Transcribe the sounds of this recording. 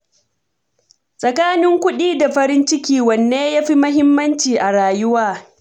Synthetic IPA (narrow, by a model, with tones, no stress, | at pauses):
sʼɐ˨kaː˦nɪ˦ŋkʷʊ˦ɗiː˦da˨ɸɐ˦ɾɪ˦nt͡ʃɪ˦kʲiː˦wɐ˨nːeː˦jaː˦ɸi˦mɐ˦ɦɪ˦mːɐ˦nt͡ʃiː˨ʔa˨ɽaː˨jʊ˦waː˦